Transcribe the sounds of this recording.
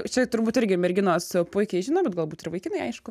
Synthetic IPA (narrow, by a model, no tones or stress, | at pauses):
t͡ʃʲɛt̪ʊɾbuːt̪ɪɾʲɡʲɪmʲɛɾʲɡʲɪnoːspʊɪkʲɛɪʒʲɪnoːbʲɛt̪ɡɐlˠbuːt̪ɪrʋɐɪkʲɪnɐɪɐɪʃkʊ